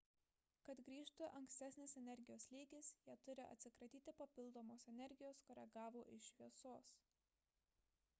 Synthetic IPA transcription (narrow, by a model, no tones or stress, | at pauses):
kɐt̪ɡɾʲiːʃt̪ʊʔɐŋksʲt̪ʲɛsʲnʲɪsɛnʲɛɾʲɡʲɪjoːslʲiːɡʲɪsjiːt̪ʊɾʲɪʔɐ̰t̪ʲsʲɪkɾɐt̪ʲiːt̪ʲɪpɐpʲɪlˠd̪oːmoːsɛnʲɛɾʲɡʲɪjoːskɔːɾʲɛɡɑːʋoːʔɪʃʲʋʲiɛsoːs